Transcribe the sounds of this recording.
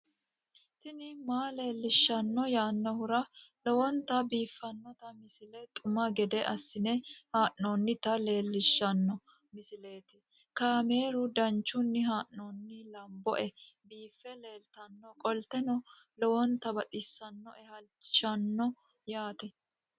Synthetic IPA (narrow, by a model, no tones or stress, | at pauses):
t̪ɪnɪmaːle̞ːlːɪʃːɐnːɔjaːnːɔhʊɾɐlɔwɔnt̪ɐbiːfːɐnːɔt̪ɐmɪsɪlɛt̪ʼʊmɐɡɛd̪ɛʔɐsːɪnɛhaːʔnoːnːɪt̪ɐle̞ːlːɪʃːɐnːɔ | mɪsɪle̞ːt̪ɪ̥ | kaːme̞ːɾʊd̪ɐnt͡ʃːʊnːɪɦaːʔnoːnːɪlɐmbɔ̰ʔɛ | biːfːɛle̞ːlt̪ɐnːɔkʼɔlt̪ɛnɔ | lɔwɔnt̪ɐbɐt̪ʼɪsːɐnːɔɛhɐlt͡ʃːɪ̥ʃɐnːɔ | jaːt̪ɛ